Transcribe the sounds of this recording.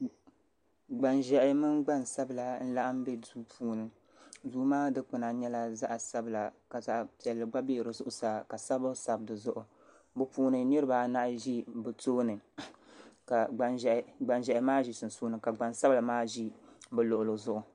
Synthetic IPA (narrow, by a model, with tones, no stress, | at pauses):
ɡ͡ba˨nʒɛ˨ʔɪ˦mɨ˦nɡ͡ba˦nsa˦bɨ˨la˨n̩˦la˦ʔa˦m˦bɛ˦duː˦pʰuː˨˦nɨ˨ | zuː˦maː˦dɨ˦k͡pɨ˨na˨ɲɛ˦la˦za˦ʔa˨sa˦bɨ˨la˨ka˨za˦ʔpi˨ɛ˨lːɨ˨ɡ͡ba˦be˦˨ɾɨ˨zʊ˦ʔʊ˨sa˨ka˨sa˦bɨ˦sa˨bdɨ˨zʊ˦ʔʊ˨ | bɨ˦puː˦nɨ˨nɨ˦ɾɨ˦ba˨na˦ʔʒi˦bɨ˨toː˦nɨ˨ | ka˨ɡ͡ba˨n˨ɡ͡ba˨nʒɛ˨ʔɪ˨˦maː˦ʒi˨sɨ˨n̩˨suː˦nɨ˨ka˨ɡ͡ba˨nsa˦bla˨maː˦ʒi˦bɛ˨lo˨ʔʊ˨lo˨zʊ˦ʔʊ˨